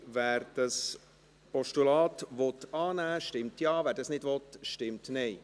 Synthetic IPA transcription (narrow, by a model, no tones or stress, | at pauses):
væːɾd̥ɑs | pɔʃtulɑːt̪ʋɔtɑːnæːʃtɪmtjɑːvæːɾdɑsnɪdvɔt̪ʃtɪmtnɛɪ